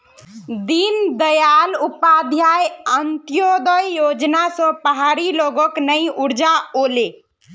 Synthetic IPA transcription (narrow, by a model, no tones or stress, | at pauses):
d̪ind̪əjalupad̪ʱjajənt̪jod̪əjːod͡ʒnasə̃pəɦaɾiloɡɔknəjuɾd͡ʒaole